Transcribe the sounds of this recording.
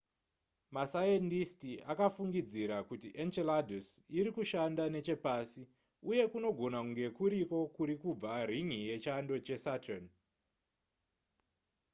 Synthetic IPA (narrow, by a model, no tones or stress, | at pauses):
masajentistiʔakafuŋɡid͡ziɾakutiʔent͡ʃeladʱosiɾikuʃandane̞t͡ʃe̞pasi | uje̞kuno̞ɡʱo̞nakuŋɡe̞kuɾiko̞kuɾikub͡variŋije̞t͡ʃando̞t͡ʃe̞satan